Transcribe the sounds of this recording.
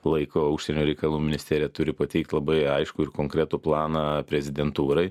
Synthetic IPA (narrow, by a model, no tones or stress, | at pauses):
lˠɐɪkoːʊʃʲsʲɛnʲoːɾʲɛɪkɐlˠuːmʲɪnʲɪsʲt̪ʲæːɾʲɪjɛt̪ʊɾʲɪpɐt̪ʲɛɪk̚t̪ʲlˠɐbɐɪɐɪʃkʊɪɾkoːŋkɾʲæt̪uplˠɑːnɑpʲɾʲɛzʲɪd̪ʲɛnt̪uːɾɐɪ